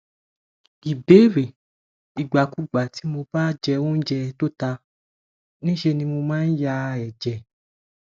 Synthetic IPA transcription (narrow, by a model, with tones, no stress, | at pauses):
ɡi˨be˨˦ɾe˨ | i˨ɡ͡ba˨ku˨˦˨ɡ͡ba˨ti˨˦mo˧ba˦d͡ʒɛ˧wõ˦n̩˦d͡ʒɛ˧to˦ta˧ | nĩ˦ʃe˧nĩ˧mo˧mãː˦n̩˦ja˧ɛ˨d͡ʒɛ˨